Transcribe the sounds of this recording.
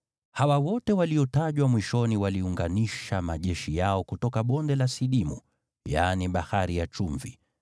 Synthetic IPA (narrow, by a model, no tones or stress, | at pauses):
hawawɔtɛwaliɔtaʄwamwiʃɔniwaliuŋɡaniʃamaʄɛʃijaɔkutɔkaɓɔndɛlasiɗimṵ | janiɓahaɾijat͡ʃuɱvi